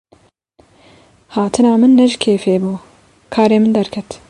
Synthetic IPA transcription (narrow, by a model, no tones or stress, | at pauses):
hɑːt̪ʰɨnɑːmɨnːɛʒɪkʰeːfeːbuː | kʰɑːɾeːmɨnd̪ɛɾkʰɛt̪